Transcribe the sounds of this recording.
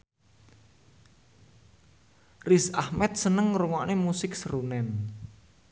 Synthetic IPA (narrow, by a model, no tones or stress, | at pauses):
rɪsahmɛt̪̚sənəŋːɾuŋɔʔnemusɪksəɾunɛn